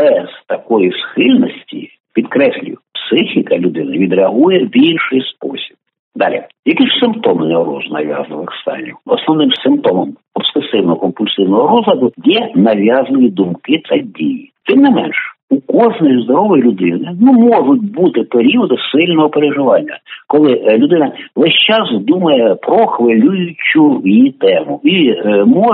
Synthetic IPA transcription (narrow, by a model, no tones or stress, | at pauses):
b̥ɛz̥t̪ɐkɔjisxɪlʲnɔsʲtʲḭ | pʲid̪kɾɛsʲlʲʊ̰jʊpsɪxʲikɐlʲʊd̪ɪnɐʋʲid̪ɾeɐɦujɛbʲilʲʃɪjspɔ̰sʲi̥b̥̚ | d̪ɑlʲḭjɐkiʃsɪmpt̪ɔmɪnɛɾɔ̰znɐ̰ʋʲja̰znɪʋɪxst̪ɑ̰nʲiwɔsnɔʋnɪmsɪmp̚t̪ɔmɔm | ɔb̥sesɪwnɔɦɔkɔmpʊlʲsɪwnɔɦɔɾɔzɾɐd̪ʊjɛnɐʋʲjɑznɪjʲid̪umkɪt̪ɐdʲḭjit̪ɪmnɪmɛnʃ | ukɔʐnɔjizd̪ɔɾɔʋɔjlʲʊd̪ɪnɪnumɔʐʊt̚ʲbut̪ɪpeɾʲiɔd̪ʊsɪlʲnɔɦɔpeɾeʒɪʋɑnʲːɐkɔlˠɪlʲʊd̪ɪnɐʋɛsʲt͡ʃɑsd̪umɐjɛpɾɔxʋelʲujʊt͡ʃʊjijit̪ɛmʊimɔ